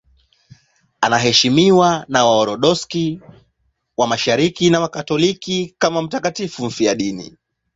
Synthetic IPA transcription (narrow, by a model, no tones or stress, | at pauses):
anaɦɛʃimiwanawaɔɾɔɗɔski | wamaʃaɾikinawakatɔlikikamam̩takatifum̩fijaɗinḭ